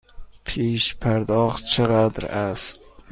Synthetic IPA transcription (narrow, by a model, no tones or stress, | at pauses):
pʰeʃpʰaɾd̪ɒχt͡ʃʰɨʁad̪̰ɾast̪